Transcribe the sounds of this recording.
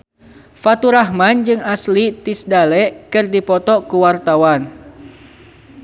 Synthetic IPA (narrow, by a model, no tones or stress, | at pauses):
fat̪uɾaɦmand͡ʒɨŋaslit̪isdalɛʔkɨrdipɔt̪ɔkuwart̪awan